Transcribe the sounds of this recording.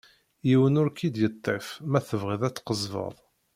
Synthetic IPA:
jiwənʊɾkʰid̪jət̪ˤːefmæθəvʁiðæt͡sːqəzˤvə̰ðˤ

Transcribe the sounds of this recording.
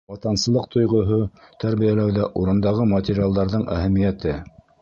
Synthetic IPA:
wɑt̪ɑnsɤ̆lˠɤq̚t̪ʰŏjʁŏɦot̪æɾβijælæwðæʔuɾɤ̆nd̪ɑʁɤmɐt̪ʲɪɾʲialˠd̪ɑɾðɤɴʔæ̰hæmijæt̪ɘ

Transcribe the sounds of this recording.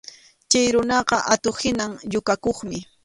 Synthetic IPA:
t͡ʃajɾʊnɑqɑʔat̪ohɪnaŋʎʊkakoχmɪ

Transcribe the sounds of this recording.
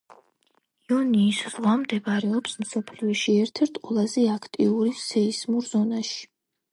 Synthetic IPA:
iɔniːsz̥ʁwamd̪ɛbaɾɛɔpsmsɔpʰliɔʃiɛɾt̪ʰɛɾt̪ʰqʼwɛlˠazɛakʰt̪ʼiuɾisɛismuɾzɔnaʃi̥

